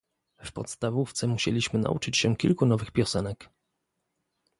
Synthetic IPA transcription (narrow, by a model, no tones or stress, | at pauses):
fpɔ̰t̪st̪avuft̪sɛmuɕḛlʲiɕmɘna̰ʔṵt͡ʂɘt͡ɕɕɛkʲilkunɔvɘxpʲjɔsɛnɛk